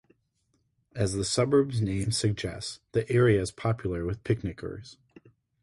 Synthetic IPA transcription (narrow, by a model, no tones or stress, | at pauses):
ɨzðəsʌbə˞bznẽɪ̃msɨɡ̚d͡ʒɛ̰stsðiʔɛɹiɨɨz̥pʰɑpʰjl̩ˠə˞wɨð̥pʰɪk̚nɨkʰə̰˞z̥